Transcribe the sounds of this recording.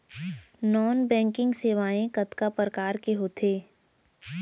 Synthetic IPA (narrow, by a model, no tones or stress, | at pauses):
nɔːnbɛ̃ːŋkɪ̃ŋɡseːʋaːẽkət̪kapɾəkaːɾkeɦoːt̪ʰeː